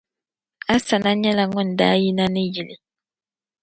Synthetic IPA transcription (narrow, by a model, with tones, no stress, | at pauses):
a˦sa˨na˦ɲɛ˦la˨ŋɔ˦˨n˨daː˦ji˦na˦nɪ˦ji˨li˨